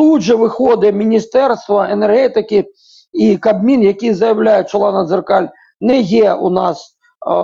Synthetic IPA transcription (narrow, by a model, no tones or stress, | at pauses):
uʐɛʋɨxɔd̪ɨmʲinʲist̪ɛrst̪vɐɛnɛrɣɛt̪ɪkʲi | ikabmʲinjakʲijzɐjawlʲajɛt͡ʃɔlˠanɐzɨrkalʲ | nɛjɛunas